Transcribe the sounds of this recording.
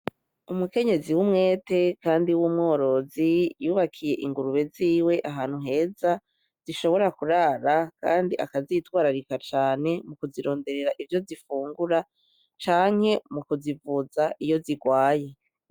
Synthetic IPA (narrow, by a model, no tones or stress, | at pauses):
umuke̞ɲe̞ziwumŋe̞ːte̞kaːndiwumŋo̞ːɾo̞zijuːβakʰije̞ʔiŋɡuɾuβe̞ziːwe̞ʔaɦaːn̥huɦe̞ːza | z̥iʃo̞βo̞ɾakuɾaːɾaka̰ːndiʔa̰kazitwaːɾaɾikat͡ʃaːne̞mukuziɾo̞ːnde̞ɾe̞ɾaʔivjo̞zifuːŋɡuɾa | t͡ʃaːŋ̥he̞mukuzivuzaʔijo̞ziɡwaːje̞